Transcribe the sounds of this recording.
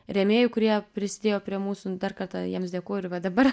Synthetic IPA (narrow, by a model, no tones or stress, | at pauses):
ɾʲɛmʲeːjʊkʊɾʲiɛpʲɾʲɪsʲɪd̪ʲeːjoːpʲɾʲiɛmuːsʊd̪ɐrkɐrt̪ɑjiɛmsd̪ʲeːkoːjʊɪɾʋɐd̪ɐbɐr